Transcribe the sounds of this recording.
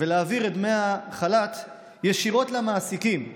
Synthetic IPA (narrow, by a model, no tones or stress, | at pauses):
veleːviʁed̪mejaχalat̪ | jeʃiʁo̞t̪lamaːsikim